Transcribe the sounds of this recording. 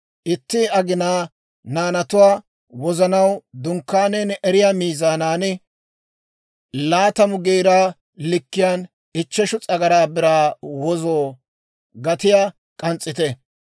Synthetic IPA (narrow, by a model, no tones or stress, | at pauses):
ʔɪt̪ːɪɐɡɪnaː | naːnɐt̪ʊwaː | wɔzɐnɐwd̪ʊŋkːaːnɛːnʔɛɾɪjamiːzaːnaːnɪ | laːt̪ɐmʊɡeːɾaː | lɪkːɪjaːn | ɪt͡ʃːɛʃʊt͡sʼɐɡɐɾaːbɪɾaːwɔzoː | ɡɐt̪ɪjaː | kʼɐnt͡sʼːɪt̪ɛ